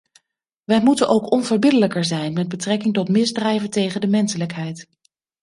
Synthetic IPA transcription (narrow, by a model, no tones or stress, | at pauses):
ʋɛjmutənʔowkɔnvəɹbɪdələkəɹzɛjnmɛd̚bətrɛkɪŋtɔtmɪzdrɛjvəntejχəndəmɛnsələkɦɛjt